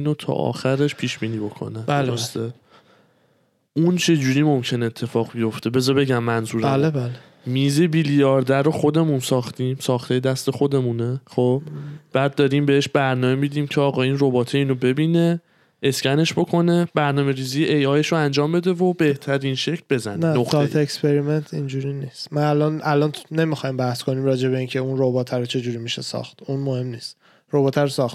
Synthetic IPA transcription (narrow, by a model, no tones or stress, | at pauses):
iːnot̪ʰɒ̰ːʔɒ̰ːxæɾe̞ʃpʰiːʃbiːniːbo̞kʰo̰næbost̪e | ʔunt͡ʃʰe̞d͡ʒuːɾiːmo̞mcʰe̞neːt̪ʰːe̞fɒːɣbijo̞ft̪e̞be̞zɒbe̞ɟæmːænzuːɾælbæl | miːze̞bilijɒːɾd̪æɾoxo̞d̪e̞mũnsɒːxt̪iːmsɒːχt̪ʰejed̪æst̪e̞xo̞d̪e̞muneχob̥b̥æːd̪̚ːɒːɾiːmbe̞eʃbæɾnɒːme̞mid̪iːmcʰeɒːɣɒiːnro̞bɒːt̪ʰeiːnobe̞biːne̞ | eskcæne̞ʃbo̞kʰo̞ne̞bæɾnɒːme̞ɾiːziːjeʔejɒːjeʃoænd͡ʒɒːmbe̞d̪e̞vobe̞ht̪ʰæɾinʃe̞cʰlbe̞zæ̰nænoχet̪ʰeekspe̞ɾiment̪ʰind͡ʒuɾiniːst̪mænælɒnʔælɒːntne̞mixɒjmbæhsko̞nimɾɒːd͡ʒe̞βe̞iːncʰe̞unɾobɒːt̪ʰæɾot͡ʃʰe̞d͡ʒuːɾimiʃesɒ̰ːxt̪unmohe̞mniːst̪ | ɾobɒːt̪ʰæɾosɒχt̪